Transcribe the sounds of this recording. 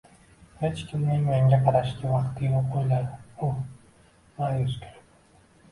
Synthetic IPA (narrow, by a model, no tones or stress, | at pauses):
het͡ʃkʲimninmeŋɡʲeqʰɑɾɑʃt̪iwɑqt̪ːiboqojlˠɑd̪u | lɑjøzkʲeɾ